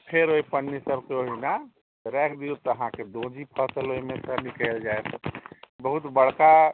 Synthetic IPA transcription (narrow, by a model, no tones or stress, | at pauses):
pʰeɾoipənːisəbkeoɦina | ɾɛkʰd̪it̪əɦãked̪õd͡ʒipʰəsəloimesənikəld͡ʒaet̪ʰ | bəɦut̪bəɽ̤ka